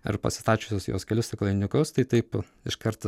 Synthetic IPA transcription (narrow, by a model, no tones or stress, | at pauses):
ɐ̰ɾpɐ̰sʲɪst̪ɑːt͡ʃʲoːsʲoːsjo̰ːskʲɛlʲɪst̪ʲɐklˠɐɪnʲʊkʊst̪ɐɪt̪ɐɪp | ɪʃkɐɾt̪ɐ